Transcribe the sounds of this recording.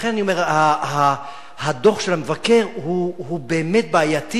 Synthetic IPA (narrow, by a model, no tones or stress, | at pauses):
χe̞nanio̞me̞ʁhaɦa | hado̞χʃe̞lamevake̞ʁɦuɦube̞ːmet̚baajati